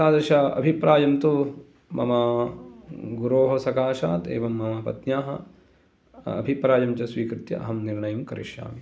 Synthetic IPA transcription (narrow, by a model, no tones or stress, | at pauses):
saːd̪ɐʃɐɐ̰bʱipɾaːjɐmt̪u | mɐ̰mɐ | ɡuɾoːɦɐsɐkaːʃa̰ːt̪ḛːʋɐmːɐmɐpɐt̪njaːɦɐ̰ | ɐbʱipɾaːjɐmt͡ʃɐsʋiːkɾɪt̪jɐ̰ʔɐ̰ɦɐmniɾɳɐjɐmkɐɾḭʃja̰ːmi